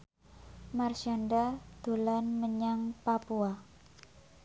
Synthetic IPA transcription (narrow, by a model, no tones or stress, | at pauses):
marʃandad̪̥o̤lanməɲaŋpapua